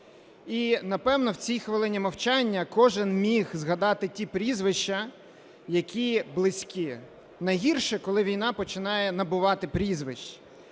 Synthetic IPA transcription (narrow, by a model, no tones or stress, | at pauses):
inɐpɛwnɔwt͡sʲijxʋɪlˠɪnʲimɐwt͡ʃɑnʲːɐkɔʒɪnmʲixzɦɐd̪ɑt̪ɪtʲipɾʲizʋɪʃt͡ʃɐ | jɐkʲiblˠɪsʲkʲi | nɐjɦʲirʃɛkɔlˠɪʋʲijn̪ɑpɔt͡ʃɪnɑjɛnɐbʊʋɑt̪ɪpɾʲizʋɪʃt͡ʃ